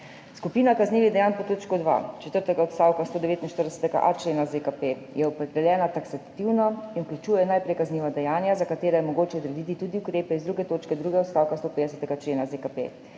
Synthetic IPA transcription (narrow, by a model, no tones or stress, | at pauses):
skupiːnakazniːʋid̪ɛjanpɔt̪oːt͡ʃkɔd̪ʋa̰t͡ʃɛ̥t̪əɾt̪ɛɡaɔt̪st̪aːwkast̪oːd̪ɛʋeːt̪inʃt̪əɾd̪ɛsɛ̥t̪ɛɡa̰ʔa̰t͡ʃleːnazekape | jɛɔpɾɛd̪ɛljɛːnat̪aksat̪iwnɔinuklʲut͡ʃuːjɛnaːjpɾɛjkazniːʋad̪ɛjaːnjazakat̪eːɾɛjɛmɔɡoːt͡ʃɛd̪ɾɛd̪it̪it̪uːd̪iukɾeːpɛizd̪ɾuːɡɛt̪oːt͡ʃkɛd̪ɾuɡɛɔt̪st̪aːwkast̪oːpeːd̪ɛsɛ̥t̪ɛɡat͡ʃleːnazekapḛ